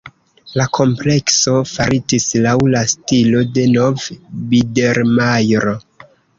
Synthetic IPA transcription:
lakʰo̞mple̞kso̞faɾid͡ʒislawlastilo̞de̞no̞vbide̞ɾmajɾo̞

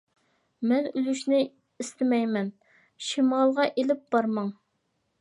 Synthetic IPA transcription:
mɛnylyʃnɪ | ist̪ʰɪmɛjmɛn | ʃimɑlˠʁɑʔelɪp̚b̥ɑɾmɑŋ

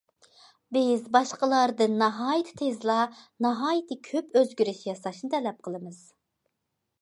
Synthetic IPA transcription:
bɪzbɑʃqəlˠɑɾd̪ɨnːɑɦɑːjit̪ʰɪ̥t̪ʰezlˠɑnɑɦɑːjit̪ʰɨkʲʰøpøzɡʲyɾyʃjɑsɑʃnɨt̪ʰɛlɛp̚qʰəlˠɨmɨz̥

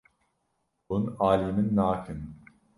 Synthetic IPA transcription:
bunaːliminːaːkʰɯn

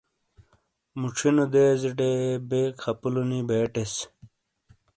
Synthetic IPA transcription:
muʈ͡ʂʰinod̪eːziɖebeːkʰɐpulunibeːʈes

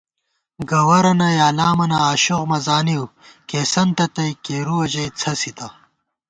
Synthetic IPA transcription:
ɡɐwɐɾɐnɐjaːlaːmɐnɐaːɕoɣmɐzaːniwkeːsɐnt̪ɐt̪ɐjkeːɾuwɐʑɐjt͡sʰɐsit̪ɐ

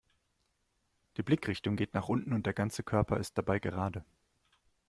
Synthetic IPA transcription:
d̥iːblɪkʁ̥ɪçtʊŋɡeːtnaːχʔʊntn̩ʊntd̥eːɐɡant͡səkʰœɐpʰɐɪst̚d̥abaɪɡəʁ̞aːdə

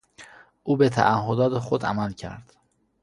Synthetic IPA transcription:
ʔuːbet̪ʰæ̰ʔæhːod̪ɒːt̪ʰexod̪æ̰mælcʰæ̰ɾd̪̥

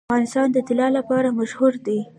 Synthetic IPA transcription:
ɣɑnɪst̪ɑnd̪ət̪ɪlɑlapɑɾamaʃhuɾd̪e

